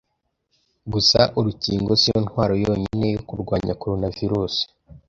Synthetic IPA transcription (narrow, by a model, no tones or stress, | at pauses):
ɡusaʔuɾuciːŋɡo̞sijonhwaːɾo̞joːɲine̞jokuɾɡwaːɲakoɾonaviɾuːsi̥